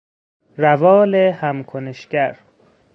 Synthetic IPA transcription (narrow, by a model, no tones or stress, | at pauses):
rævɒːlehæmkʰoneʃɡæɾ